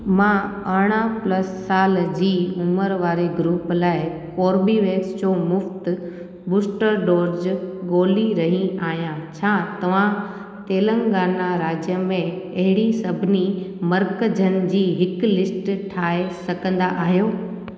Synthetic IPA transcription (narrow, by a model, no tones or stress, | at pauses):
mãː | ɐɽ̃aplɐsːaːld͡ʑiːʊməɾʋaːɾeɡɾuːplaːɪkoːɾbiʋeːksd͡ʑoːmʊft̪ | bʊːsʈəɾɖoːɾd͡ʑɡoːliɾɐɦĩaːɦijãt͡ɕʰaːt̪ɐʋ̤ã | t̪eːlə̃ŋɡaːnaɾaːd͡ʑjəmẽɐɦɪɽisɐbʱɪnimɐɾkəd͡ʑʱənɪ̆d͡ʑiːɦɪklɪsʈʈʰaːesɐɡə̃nd̪aʔaːɦijoː